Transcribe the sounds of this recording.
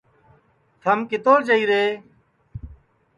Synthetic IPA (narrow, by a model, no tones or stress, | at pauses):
t̪ʰəmkɪt̪oːd͡ʒəiːɾeː